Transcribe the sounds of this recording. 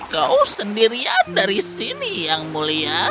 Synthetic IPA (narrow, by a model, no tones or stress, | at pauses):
kausəndiɾiadaɾisinijaŋmulia